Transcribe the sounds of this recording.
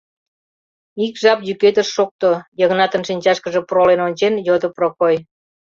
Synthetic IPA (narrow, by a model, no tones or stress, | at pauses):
ikʒɑpjyket̪əʃːok̚t̪ojəɣnɑt̪ə̆nʃinʲt͡ɕɑʃkəʒe̽prolenonʲt͡ɕenjod̪ə̆prokoj